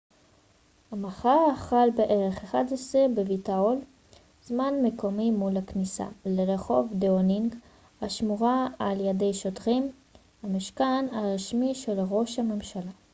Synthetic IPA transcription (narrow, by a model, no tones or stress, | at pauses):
hamaχaʁaχalbeʔe̞ʁe̞χeχadesʁibevitaol | zmanme̞ko̞mimulhaknisa̰leʁeχo̞vdeoniŋɡ | aʃmuʁaaljede̞jʃotʁim | hamiʃkanaʁiʃmiʃe̞lʁo̞ʃhame̞mʃala